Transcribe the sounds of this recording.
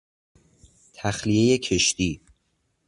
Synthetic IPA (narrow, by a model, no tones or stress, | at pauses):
t̪ʰæxlije̞je̞cʰe̞ʃt̪iː